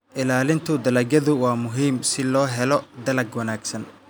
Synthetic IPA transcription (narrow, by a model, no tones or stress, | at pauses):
ʔɪlaːlɪnt̪ʰʊd̪ɐlɐɡɐðʊwaːmʊɦiːmsɪlɔːɦɛlɔd̪ɐlɐɡwɐnaːɡsɐn